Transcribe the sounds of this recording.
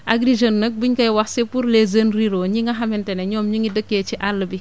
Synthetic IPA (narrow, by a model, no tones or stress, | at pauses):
ʔaɡɾiʒonːək̚biɲkɐjwaxsepuɾlezɐnriɾoːɲiŋɡɐɦɐmɛnteneɲɔːmɲiŋidəkːet͡ʃiʔalːəbi